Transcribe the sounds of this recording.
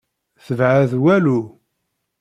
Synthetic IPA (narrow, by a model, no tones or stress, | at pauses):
θəvʕaðwælu